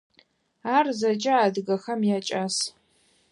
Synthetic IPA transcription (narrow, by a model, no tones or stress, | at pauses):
aːrzɐt͡ʃʼɐaːdɨɡɐxɐmjaːt͡ʃʼas